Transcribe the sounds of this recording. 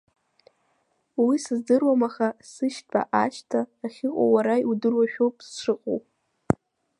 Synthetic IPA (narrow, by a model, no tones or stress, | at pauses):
wisɨzdɨrwamaχasɨʃtʼa̰ʔaʃtʰaːχʲɪqʷʼa̰waɾajudɨrwaʃᶣowpʼsʂɨqʼo̰w